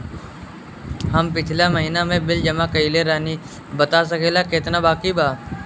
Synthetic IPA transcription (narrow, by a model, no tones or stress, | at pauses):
həmp̬ɪt͡ʃʰlaməɦiːnamẽbɪld͡ʒəmakəileɾɛːni | bət̪as̬əkeːlaket̪nabaːkibʱaː